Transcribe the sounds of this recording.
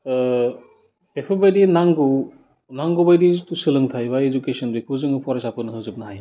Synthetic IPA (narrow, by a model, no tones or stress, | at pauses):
hekʰɯbajdinaŋɡɯ | naŋɡobajditusɯlɯŋt̪ʰajbaed͡ʒukesɔndɯjkʰuzɯŋɯpʰɔɾasapʰɯnɯɦɯzub̚naɦaj